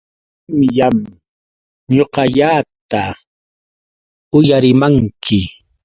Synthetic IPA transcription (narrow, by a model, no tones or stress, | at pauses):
mjam | ɲoqɑʎaːt̪a | ʊjaɾɪmaŋkɪ